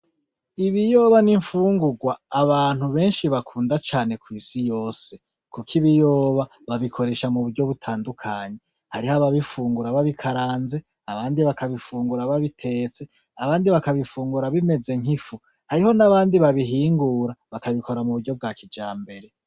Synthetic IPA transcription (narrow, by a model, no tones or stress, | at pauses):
iβijo̞ːβaniɱfuːŋɡuɡwaːβaːn̥huβe̞ːnʃiβakʰuːndat͡ʃaːne̞kwiːsijo̞ːse̞ | kukʰiβijoːβa | βaβikʰo̞ɾe̞ːʃamuβuɾɟo̞βutʰaːndukʰaːɲe̞ | haɾihaβaβifuːŋɡuɾaβaβikʰaɾaːnze̞ | aβaːndiβakaβifuːŋɡuɾaβaβitʰe̞ːt͡se̞ | aβaːndiβakaβifuːŋɡuɾaβime̞ze̞ŋifu | haɾiho̞naβaːndiβaβiɦiːŋɡuːɾaβakaβikʰo̞ɾamuβuɾɟo̞b̚ɡaːkid͡ʒaːmbe̞ɾe̞